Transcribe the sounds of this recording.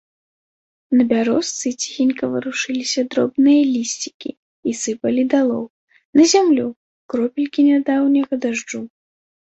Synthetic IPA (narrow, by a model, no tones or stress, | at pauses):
nɐbʲaɾɔst̪sɨt͡sʲi̥xʲinʲkɐvɨɾuʂɨlʲisʲɐd̪ɾɔ̰bnɨjɐlʲisʲt͡sʲi̥kʲi | isɨpɐlʲid̪alˠɔw | nɐzʲamlʲu | kɾɔpʲilʲkʲinʲad̪awnʲɐɣɐd̪aʐd͡ʐu